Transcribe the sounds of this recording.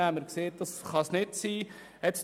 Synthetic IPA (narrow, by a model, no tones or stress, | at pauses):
æməɾkseːt̚d̥ɑsχɑsnɪtsiː | ɛt̪s